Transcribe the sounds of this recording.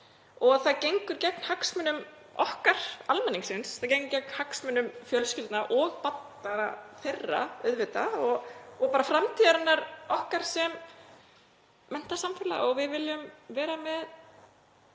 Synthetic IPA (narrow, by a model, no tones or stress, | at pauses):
ɔɣθaðcejŋkʏɾcɛk̚n̥haksmʏnʏm | ɔhkaɾ̥almɛnːiŋksɪnsθaðcejŋkʏɾ̥cɛk̚n̥haksmʏnʏmfjœlscɪlt̪naʔɔɣpat̪naɾaθerːa̰œ̰ɥðvɪt̪aɔɣɔpaːɾafɾamt̪ʰiːðaɾanːaɾɔhkaɾ̥sɛm | ɛn̥t̪asamfɪlaɔɣvɪðvɪljʏmvɛːɾamɛð